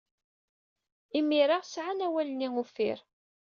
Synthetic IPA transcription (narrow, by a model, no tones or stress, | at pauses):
imiɾaʁsʕanæwælniŋufɪ̰ɾ